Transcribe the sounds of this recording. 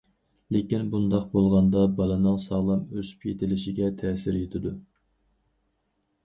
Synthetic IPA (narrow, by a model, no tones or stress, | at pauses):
lekʲinbund̪ɑqbolˠʁɑnd̪ɑbɑlˠɨnɨŋsɑʁlˠɑmøzy̥pjet̪ʰɪlɪʃɪɡʲɛt̪ʰɛːsɪɾjet̪ʰɪd̪u